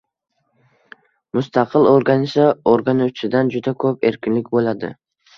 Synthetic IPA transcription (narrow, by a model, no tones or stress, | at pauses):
mʊst̪ɑqʰɨlˠoɾɡanɪsɯoɾɡanot͡ʃɪd̪and͡ʒyd̪akʰɵpe̞̰ɾkʲinlɪkʲbojlˠɑd̪ɯ̰